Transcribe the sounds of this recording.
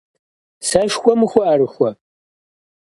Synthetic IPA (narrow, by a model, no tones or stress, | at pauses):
sɐʃxʷɔmɨxʷɔʔɐɾɨxʷɔ